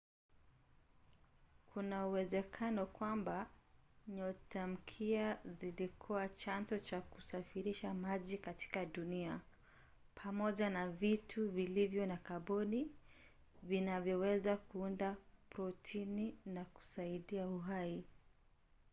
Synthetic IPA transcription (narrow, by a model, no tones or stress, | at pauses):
kʰunauwɛzɛkʰanɔkwambaɲɔtʰam̩kʰiazilikʰɔat͡ʃanzɔt͡ʃakusafiɾiʃamaʄikati̥kaɗunia | pʰamɔʄanavitʰuvilivjɔnakaɓɔni | vinavjɔwɛzakuundapɾɔtʰininaku̥saiɗiauɦai